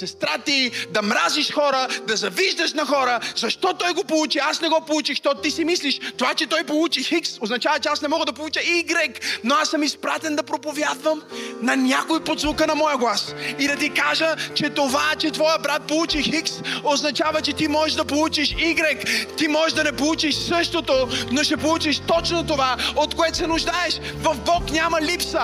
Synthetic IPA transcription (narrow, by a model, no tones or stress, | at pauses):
sɛst̪ɾat̪id̪ɐmɾaziʃxɔɾəd̪ɐzɐviʒd̪əʃnɐxɔɾəzɐʃt̪ɔt̪ɔjɡopolˠut͡ʃiasnɛɡɔpolut͡ʃixʃt̪ɔt̪ot̪isimisliʃt̪ovat͡ʃɛt̪ɔjpolˠut͡ʃixiksoznɐt͡ʃavət͡ʃɛasnɛmɔɡəd̪ɐpolˠut͡ʃəiɡɾɛknoasəmispɾat̪ɛnd̪ɐpɾopovʲjad̪vəmnɐnʲakojpod̪zvʊkənɐmɔjəɡlˠasid̪ɐt̪ikaʒət͡ʃɛt̪ovat͡ʃɛt̪vɔjəbɾat̪̚polˠut͡ʃixiksoznɐt͡ʃavət͡ʃɛt̪imɔʒɛʒd̪ɐpolˠut͡ʃiʃiɡɾɛkt̪imɔʒɛʒd̪ɐnɛpolˠut͡ʃiʃsɤʃt̪ot̪onoʃɛpolˠut͡ʃiʃt̪ɔt͡ʃnot̪ovaot̪koɛt̪o̥sɛnʊʒd̪aɛʃvɐvbɔknʲamɐlʲipsə